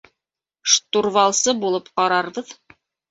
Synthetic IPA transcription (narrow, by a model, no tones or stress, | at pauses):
ʃt̪urvɑlˠsɤbulˠɤpqɑɾɑɾβɤð